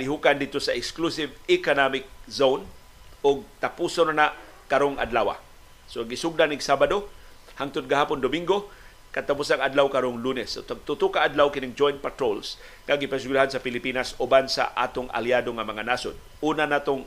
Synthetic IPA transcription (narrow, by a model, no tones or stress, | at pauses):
lɪɦukand̪ɪd̪̚t̪osaʔɪksklusɪvɪkonamɪk̚zown | ʊɡ̚t̪apusonanaʔ | kaɾoŋʔa̰dlawa̰ | soɡɪsʊɡ̚danɪɡsabad̪o | haŋt̪ʊd̪̚ɡahaːpʊnd̪ʊmiŋɡo | kat̪apusaŋad̪lawkaɾoŋlunɛsːot̪aɡ̚t̪ʊt̪ʊkaʔad̪lawkɪnɪŋd͡ʒojnt̪̚pat̪ɾols | ŋaɡɪpas̬ɪɡlaɦansapɪlɪpinasʊbansa̰ʔa̰ːt̪ʊŋʔa̰ljadoŋamaŋanasʊ̰d̪̚ | uːnanaːt̪ʊŋ